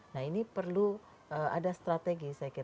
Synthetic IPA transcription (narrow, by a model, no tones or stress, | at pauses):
nahinipərlu | əa̰dast̪ɾat̪eɡisajakiɾ